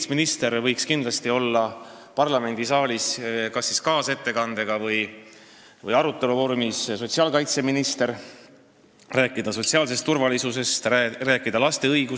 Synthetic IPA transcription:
sminist̪eɾvɤjkskind̪̥lɑst̪io̞lːɑpɑrlɑme̞nd̪̥isɑːliskɑsːiskɑːse̞t̪ːe̞kɑnd̪e̞ɡ̥ɑvɤj | vɤ̰jɑɾut̪ːˑe̞luvo̞ɾumisso̞t̪siɑːlkɑjt̪se̞minist̪e̞ɾ | ræːkˑːid̪̥ɑso̞t̪siɑːls̬e̞st̪ːurvɑlisuse̞st̪ræːkːˑid̪̥ɑlɑst̪e̞ɤjɡ̥u

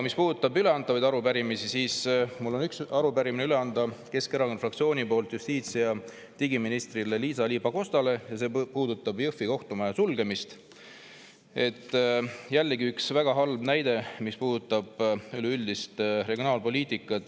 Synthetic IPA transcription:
mispuːd̪̥ut̪ːˑɑbyle̞ɑnt̪ːˑɑvɑjd̪ɑɾupæɾimisisiːsmulːo̞nyksɑɾupæɾimineyle̞ɑnd̪ɑke̞skeɾɑkonfrɑkt̪sio̞ːnipo̞ːlt̪just̪iːt̪siɑ | t̪iɡiminist̪rileliːsɑliːbɑko̞st̪ɑle̞jɑse̞ːpuːd̪̥ut̪ːˑɑbjɤfːiko̞ht̪umɑjɑsulɡ̥e̞mist̪ | e̞t̪ːˑjælːeɡiyksvæɡ̥ɑɦɑlbnæjd̪e̞mispuːd̪ut̪ːˑɑb̥ylyld̪ist̪re̞ɡio̞nɑːlpo̞lʲiːt̪ˑikːˑɑt̪

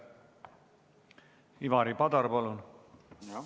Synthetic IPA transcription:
iʋɑɾipɑd̪ɑrpɑlun

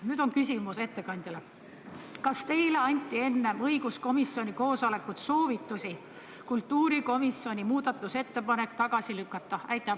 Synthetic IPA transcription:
nyːd̪̥o̞nkysʲimuse̞t̪ːe̞kɑnʲd̪̥ɑle | kɑst̪e̞jle̞ɑnʲt̪ːˑie̞nːe̞mɤjɡ̥usko̞misio̞nʲiko̞ːsole̞kːˑut̪so̞ːvit̪ːˑusʲi | kult̪ːuːɾiko̞miso̞nʲimuːd̪̥ɑt̪ːˑuse̞t̪ːe̞pɑne̞kːt̪ɑɡ̥ɑsilykːˑɑt̪ːˑɑæjt̪ːˑɑ

